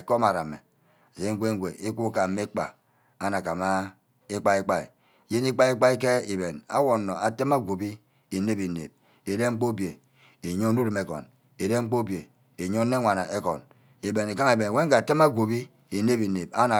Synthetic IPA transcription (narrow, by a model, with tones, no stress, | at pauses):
e˨ko˦ma˨ɾa˨me˨ | ze˦ŋ̩˦ɡʷe˦ŋ̩˦ɡʷe˨ʔi˦k͡pu˦ka˨m̩ː˦e˦k͡pa̰˨ | a˦na˨ka˨ma˦ | i˦k͡pa˦i˦k͡pa˦ḭ˨ | je˦ni˦k͡pa˦i˦k͡pa˦i˦ke˦i˨be˨na̰˦wo˨nːo˨a˨te˦ma˦ɡʷo˨bi˦ | i˨ne˦bi˨nḛ˨b̚ | e˨de˦ŋ͡m̩˦k͡po˦bje˨ | e˨ɲo˦nu˦ɾi˨me˨kɔ̰˨n | e˨de˦ŋ͡m̩˦k͡po˦bje˨ | e˨ɲo˦nːe˦ŋʷa˨na̰˨ʔe˦kɔ̰˨n | e˨be˨ne˨ka˦ŋe˨be˨n˨we˦ŋ̩˦ka˨te˦ma˦ɡʷo˨bi˦ | i˨ne˦bi˨ne˨ba˦na˨